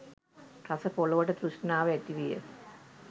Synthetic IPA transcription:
kɐsɐpoɭɐʋɐʈːɐt̪ɾuʂnaːʋɐet̪ːiʋijə̰

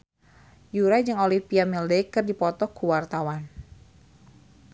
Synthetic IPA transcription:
juɾad͡ʒɨŋolipiamildɛkɨrdipɔt̪ɔkuwart̪awan

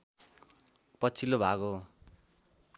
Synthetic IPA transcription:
pʌt͡sʰilobʱaɡo

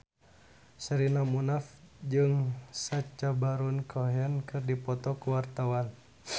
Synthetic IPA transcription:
səɾinamunafd͡ʒɨŋsat͡ʃabaɾunkʰɔɦankɨrdipɔt̪ɔkuwart̪awan

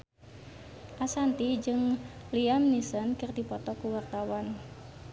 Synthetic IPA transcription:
ʔasant̪id͡ʒɨŋliamnisənkərd̪ipɔt̪ɔkuwart̪awan

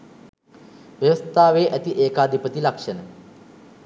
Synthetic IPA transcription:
ʋjɐʋəst̪ʰaːʋeːʔɐt̪iʔeːkaːd̪ʱipət̪ilakʂənə

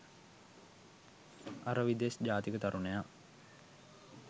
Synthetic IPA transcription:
aɾəʋid̪esd͡ʒaːt̪ikət̪aɾuneja

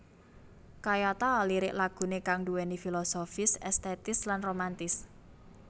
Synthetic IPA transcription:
kajat̪aliɾɪʔlaɡ̥ṳnekaŋduwenifilosofɪsɛst̪ɛt̪ɪslanromant̪ɪs

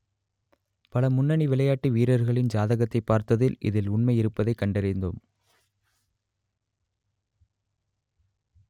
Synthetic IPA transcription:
pɐlɐmʊnːɐɳiʋɪlɐjaːʈːiʋiːɾɐɾɣɐɭɪnd͡ʒaːðɐɣɐt̪ːɐɪpːaːɾt̪ɐðɪlʔɪ̰ðɪlʊɳmɐɪɪɾɯpːɐðɐɪkːɐɳɖɐɾɪnd̪o̰ːm

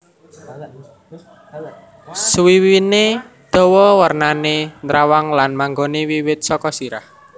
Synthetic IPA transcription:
swiwine | d̪̥ɔ̤wɔwərnanenɾawaŋlanmaŋɡonewiwɪt̪̚sɔkɔsiɾah

